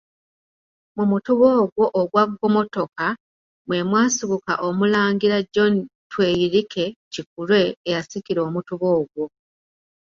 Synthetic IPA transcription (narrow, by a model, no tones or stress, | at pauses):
mumutuβo̞ːɡwo̞ʔːɡwaɡɡo̞mo̞to̞ka | mwe̞mwaːsiβuka̰ʔomulaːŋɡiɾaɟo̞ntwe̞jiɾikʰe̞cikulwe̞ːjasikiɾo̞ːmutuβo̞ːɡwo̞